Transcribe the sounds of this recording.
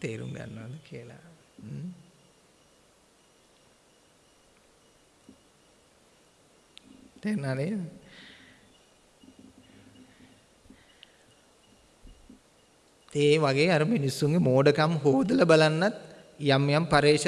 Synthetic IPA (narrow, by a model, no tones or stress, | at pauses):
t̪eːɾṵŋɡɐ̰nːɐɐd̪ɨkʰiɐla̰ | t̪eːnaːne | eːʋɐɡeɐɾɐmenisːuŋɡemoːɖɐkɐmɦoːd̪ɐlɐbɐlɐnːɐt̪ | jamjampɐɾeːʃ